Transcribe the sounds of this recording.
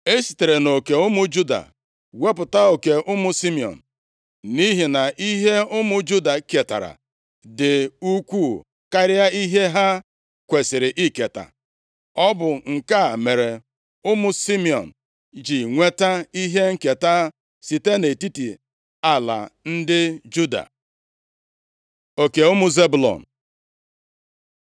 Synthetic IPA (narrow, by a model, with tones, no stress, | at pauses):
e˦si̥˨te˨ɾe˨no˨ke˨ʊ˦mʊ˦d͡ʒu˦da̰˨ | we˦pʊ˨ta˦o˨ke˨ʔʊ˦mʊ˦si˦mi˨ɔ̰˨n̩˨ | ni˦ɦi˨na˨ʔi˦ɦe˦ʊ˦mʊ˦d͡ʒu˦da˨ke˨ta̰˨ɾa̰˨ | dɪ˨u˦kʷu˦˨ | ka˦ɾja˦i˦ɦe˦ɦa˦ | kʷe˨sɪ˨ɾɪ˨ʔi˦ke˨ta̰˨ | ɔ˦bʊ˨ŋ̩˨ka˦˨me˨ɾe˨ | ʊ˦mʊ˦si˦mi˨ɔ̰˨n̩˨ | d͡ʒi˨ŋʷe˦ta˦i˦ɦe˦ŋ̩˦ke˨ta˦ | si˨te˦ne˨ti˦ti˨ | a˦la̰˨n̩˦dɪ˦d͡ʒu˦da̰˨ | o˨ke˨ʊ˦mʊ˦ze˦bu˨lɔ̰˨n̩˨